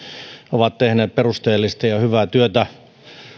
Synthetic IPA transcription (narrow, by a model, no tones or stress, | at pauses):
oʋɑt̪t̪ehneːpperust̪eːlːist̪ɑjɑhyʋæt̪yøt̪æ